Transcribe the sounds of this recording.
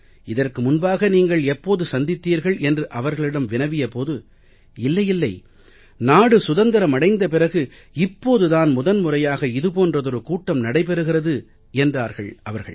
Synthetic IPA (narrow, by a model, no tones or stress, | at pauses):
ɪðɐrkɯmʊnbaːɣɐniːŋɡɐɭɛpːoːðɯsɐnd̪ɪt̪ːiːɾɣɐɭɛndrɯʔɐʋɐɾɣɐɭɪɽɐmʋɪnɐʋɪjɐpoːðɯ | ɪlːɐjɪlːɐɪ | naːɽɯsʊðɐnd̪ɐɾɐmɐɽɐɪnd̪ɐpɪrɐɣɯ | ɪpːoːðɯðaːnmʊðɐnmʊrɐjaːɣɐɪðɯpoːndrɐðɔɾɯkuːʈːɐmnɐɽɐɪp̬ɛɾɯɣɪrɐðɯ | ɛndraːɾɣɐɭʔɐʋɐɾɣɐ̰ɭ